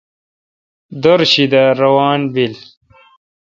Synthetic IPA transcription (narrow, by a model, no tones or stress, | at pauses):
d̪oɾɕid̪aɾɐwaːnbil